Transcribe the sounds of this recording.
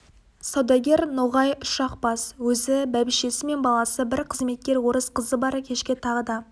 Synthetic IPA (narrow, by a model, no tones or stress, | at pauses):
sɑwd̪ɑɡʲe̞ɾnoʁɑjʊʃɑqb̥ɑswɵzɪbæbɪʃe̞sɪme̞nbɑlˠɑsəbɪɾqʰəzme̞t̪̚kʲe̞ɾwo̞ɾəsqʰəzəbɑɾkʲʰe̞ʃkʲɪt̪ʰɑʁəd̪ɑ